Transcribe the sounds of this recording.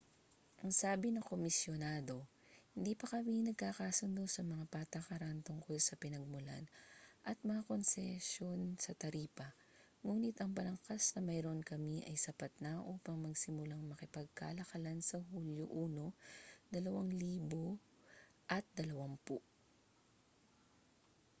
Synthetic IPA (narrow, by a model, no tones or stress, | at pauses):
ʔɐŋsaːbɪnɐkomɪsjonaːd̪o̞ | hɪnd̪iːpɐkɐminɐɡ̚kakasʊnd̪osɐmɐŋapat̪ɐkɐɾant̪ʊŋko̞lsɐpɪnɐɡ̚mʊla̰nʔɐt̪̚mɐŋako̞nsɛsjo̞nsɐt̪ɐɾiːpɐ | ŋuːnɪt̪ʔɐŋpɐlɐŋkasnɐmɐjɾonkɐmiʔɐjsɐpat̪̚nɐʔuːpɐŋmɐɡsɪmʊlaŋmɐkɪpɐɡ̚ka̰ːlɐkɐlansɐhuljo̰ʔuːno̞d̪̥ɐlɐwaŋliːbo | ʔɐt̪̚d̪ɐlɐwaŋpuʔ